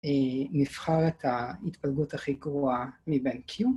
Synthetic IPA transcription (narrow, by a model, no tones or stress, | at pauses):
enifχaʁet̪hait̪palɡutaχiɡʁoamibenkʰju